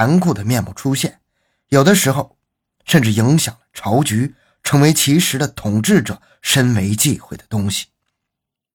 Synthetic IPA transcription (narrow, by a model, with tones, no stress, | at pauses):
a˧˥nkʰu˥˩d̪ə˩mjɛ˥˧nmṵ˥˩ʈ͡ʂʰu˥ɕjɛ˥˩n | jo˨˩ʊd̪ə˦ʂɻ̩˧˥xo˥˧ʊ | ʂə˥˧nʈ͡ʂɻ̩˥˩i˧˥ŋɕjɑ˨˩ŋlə̥˦ʈ͡ʂʰɑ˧˥ʊt͡ɕy˧˥ | ʈ͡ʂʰɤ˧˥ŋwe˧˥ɪt͡ɕʰi˧˥ʂɻ̩˧˥d̪ə˧t̪ʰʊ˨˩ŋʈ͡ʂɻ̩˥˩ʈ͡ʂɤ˨˩˦ | ʂə˥nwe˧˥ɪt͡ɕi˥˧xwe˥˩ɪd̪ə̥˩t̪ʊ˥ŋɕi̥˨˩